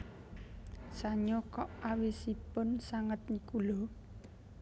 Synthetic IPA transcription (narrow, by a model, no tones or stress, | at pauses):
saɲokɔʔawisipʊnsaŋət̪̚nikulɔ